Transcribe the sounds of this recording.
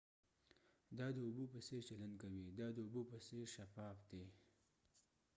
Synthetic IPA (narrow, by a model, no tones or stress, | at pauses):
d̪ɑd̪əʊbupəset͡ʃaland̪kawid̪ɑd̪əʊbupəseɾʃafɑfd̪e